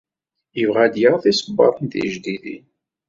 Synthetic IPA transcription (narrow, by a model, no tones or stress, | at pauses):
əvʁæd̪jəɾθisəbːɑ̰ɾˤənt̪ḭʒd̪iðḭn